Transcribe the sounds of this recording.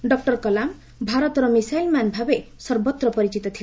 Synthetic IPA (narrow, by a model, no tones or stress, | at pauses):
ɖɔk̚ʈɔɾkɔlam | bʱaɾɔt̪ɔɾɔmisajlmanbʱabesɔɾbɔt̪ɾɔpɔɾit͡ʃit̪ɔt̪ʰil